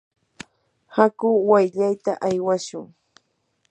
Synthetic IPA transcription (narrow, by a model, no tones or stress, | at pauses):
hakʊwajʎajt̪aʔajwaʃʊŋ